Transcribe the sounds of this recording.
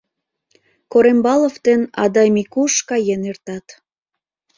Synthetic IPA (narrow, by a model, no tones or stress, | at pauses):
koɾembɑloft̪enɑ̰d̪ɑjmikuʃkɑjenert̪ɑt̪